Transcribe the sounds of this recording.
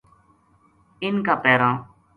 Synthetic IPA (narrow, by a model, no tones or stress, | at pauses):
ɪnkaːpɛːɾãː